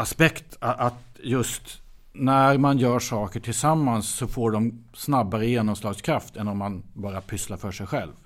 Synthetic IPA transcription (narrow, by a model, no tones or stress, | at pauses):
aspɛkt̪aʔat̪jɵst̪ | næɾmanjœːʂɑːkəʈʰɪlsamːansːɔfoːɖɔm | snabːaɾəjeːnɔmslɑːɡskʰɾaft̪ɛnːɔmːanbɑːɾapʰʏslaɾfœʂɛjɧɛlv